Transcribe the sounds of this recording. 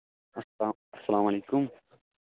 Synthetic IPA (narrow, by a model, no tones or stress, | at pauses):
ɐsːalaːmaleːkʊm